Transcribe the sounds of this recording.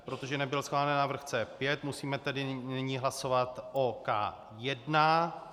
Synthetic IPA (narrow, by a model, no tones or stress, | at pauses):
pɾo̞t̪oʒɛnɛbɪlsxaːlɛnɛːnːavr̩xt͡sɛːpjɛt̪musiːmɛt̪ɛdɪnɪɲiːɦlaso̞vat̪ʔoka̰ː | jɛdna